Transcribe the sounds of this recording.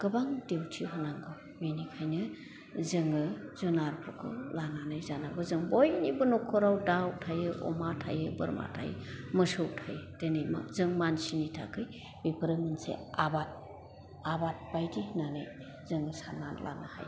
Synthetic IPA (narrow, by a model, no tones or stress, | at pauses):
ɡ̥ɯbaŋdewtʰiɦɔnaŋɡɔ | menikʰajnɯ | zɯŋɯzɔnaɾpʰɯkʰɔ̰lananajzanabɯzɯŋbojnibɯnɔkʰɔɾawdawtʰajɯʔɔ̰matʰa̰jɯbɯ̰ɾma̰tʰa̰j̰mɯsɯwtʰajdenɯjma̰zɯŋmansinitʰa̰kʰɯj | bipʰɯɾɯmɯnsḛabat̚ | abat̚b̥ajdihinanɯj | zɯŋɯsana̰nlʔa̰na̰ha̰j